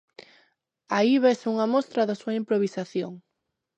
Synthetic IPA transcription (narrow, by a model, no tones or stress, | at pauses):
aiβesuŋɐmost̪ɾɐðasuɐimpɾoβisaθjoŋ